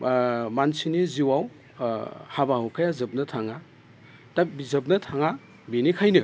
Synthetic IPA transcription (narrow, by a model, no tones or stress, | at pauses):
mansiniziwaw | habahukʰajazɯp̚nɐtʰaŋa | tabizɯp̬̚nɐtʰaŋa | binikʰajnɯ